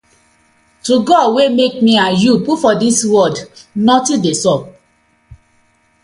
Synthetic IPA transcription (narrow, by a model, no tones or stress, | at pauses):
tuɡɔdwemek̚mĩajupufɔdiswɔdnɔ̃tĩdesɔb̚